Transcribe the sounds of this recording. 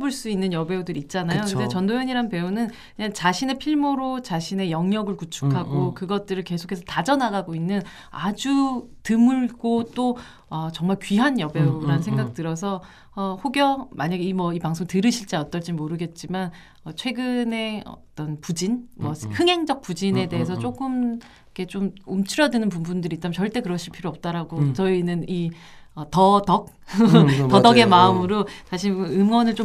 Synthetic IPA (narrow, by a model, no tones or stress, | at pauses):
boɭs͈uinːɯnjʌbe̞udɯɾit̚t͡ɕ͈anajokɯndet͡ɕʌndojʌɲiɾanpe̞unɯn | kɯɲant͡ɕaɕʰine̞pʰiɭmoɾot͡ɕaɕʰine̞jʌŋɲʌɡɯɭkut͡ɕʰu̥kʰaɡokɯɡʌt̚t͈ɯɾɯɭke̞sʰo̥kʰesʰʌtad͡ʑʌnaɡaɡoinːɯn | a̰d͡ʑutɯmuɭɡot͈o | ʌt͡ɕʌŋmaɭkɥiɦanjʌbe̞uɾanɯnsʰeŋɡak̚t͈ɯɾʌs̬ʰʌ | ʌɸoɡjʌmaɲaɡeimwʌipaŋsʰoŋtɯɾɯɕʰiɭt͡ɕ͈aʌt͈ʌɭt͡ɕ͈imoɾɯɡe̞t̚t͡ɕ͈iman | ʌt͡ɕʰwe̞ɡɯne̞ʌ̰t͈ʌnpud͡ʑinmwʌhɯŋɦe̞ŋd͡ʑʌk̚p͈ud͡ʑine̞de̞ɦes̬ʰʌt͡ɕ͈ok͈ɯm | ikʰe̞t͡ɕ͈omumt͡ɕʰiɾʌdɯnɯnp̬umbundɯɾit͡ɕ͈amt͡ɕʌɭt͈e̞kɯɾʌɕʰiɭpʰiɾoʌp̚t͈aɾaɡot͡ɕʌinɯni | ʌtʌtʌk̚ | tʌdʌɡe̞maɯmɯɾot͡ɕaɕʰiɯmwʌnɯɭt͡ɕ͈o